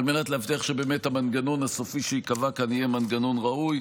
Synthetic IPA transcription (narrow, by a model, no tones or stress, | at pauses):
almenat̪leaft̪iaχʃebe̞ːmethamanɡanonhasofiʃeikavakanijemanɡanonʁauj